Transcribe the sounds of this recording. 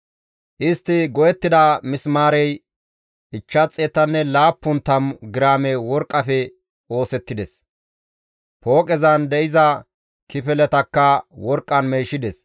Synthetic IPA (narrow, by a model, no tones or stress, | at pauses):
ʔɪst̪ːɪɡɔjɛt̪ːɪd̪ɐmɪsmaːɾɛj | ʔɪt͡ʃːɐt͡sʼːeːt̪ːɐnːɛlaːpːʊnt̪ːɐmɡɪɾaːmɛwɔɾkʼːɐfɛ | o̞ːsɛt̪ːɪd̪ɛs | po̞ːkʼɛzɐnd̪ɛʔɪzɐ | kɪfɛlɛt̪ɐkːɐwɔɾkʼːɐnmeːʃɪd̪ɛs